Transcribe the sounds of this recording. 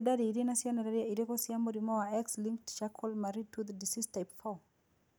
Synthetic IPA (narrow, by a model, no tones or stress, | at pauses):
dadiiɾinasianadaɾiaiɾekɔsiambɔɾimɔwaɛkslĩŋktʃakʰɔlmaɾitʰuðədisistaɪpfɔ